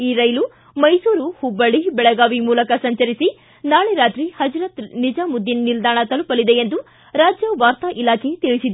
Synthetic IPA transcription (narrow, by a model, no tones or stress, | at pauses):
iːɾɐjlu | mɐjsuːɾuhubːɐɭibɛɭɐɡaːʋimuːlɐkɐsɐɲt͡ʃɐɾisi | naːɭeɾaːt̪ɾihɐd͡ʒɾat̪nid͡ʒamud̪ːinnild̪aːɳɐt̪ɐlupɐlid̪e̞end̪u | ɾaːd͡ʒjɐʋaːɾt̪ɐʔilaːkʰe̞t̪iɭisid̪